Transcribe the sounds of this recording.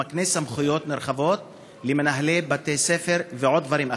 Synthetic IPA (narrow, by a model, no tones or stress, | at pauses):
aknesamχujo̞t̪neɾχavo̞t̪̚ | lemenaɦlebat̪esefeʁveʕo̞d̪d̪vaɾima